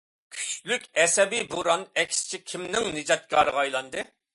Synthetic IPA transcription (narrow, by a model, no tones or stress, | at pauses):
kʲʰy̥t͡ʃlykʲɛsɛbibuɾɑnɛkʲʰst͡ʃʰikʲʰimnɪŋnɨd͡ʒɑt̪̚kʰʲɑɾɨʁɑjlˠɑnd̪ɨ